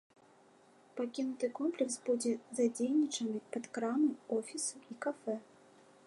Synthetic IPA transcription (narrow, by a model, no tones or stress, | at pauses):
pakʲinut̪ɨkɔmplʲɛksbud͡zʲɛzad͡zʲejnʲit͡ʂɐnɨpɐt̪kɾamɨɔfʲisuikafɛ